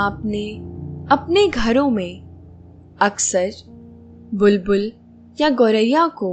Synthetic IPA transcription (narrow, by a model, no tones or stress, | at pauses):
aːpneɐpneɡʱɐɾõmẽ | ɐksəɾ | bʊlbʊl | jaɡoːɾəjako